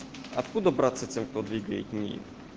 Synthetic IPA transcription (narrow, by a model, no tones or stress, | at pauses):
ɐ̰t̪kud̪ɔbɾat̪sɐt̪sʲɛmkt̪ɔd̪ʋʲiɡɐjitʲnʲḭ